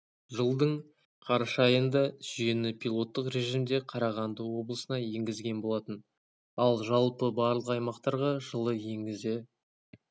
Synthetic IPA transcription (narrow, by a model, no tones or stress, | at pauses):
ʒəlˠd̪əɴ | qʰɑɾʃɑjənd̪ɑʒ̥ʏje̞nɪpʰʲilˠo̞t̪ːəqɾe̞ʒimd̪e̞qʰɑɾɑʁɑnd̪əwo̞blˠəsənɑje̞ŋɡʲɪzɡʲe̞nbo̞lˠɑt̪ən | ɑlˠʒɑlˠpəbɑɾlˠəqɑjmɑqt̪ɑɾʁɑʒəlˠəje̞ŋɡʲɪze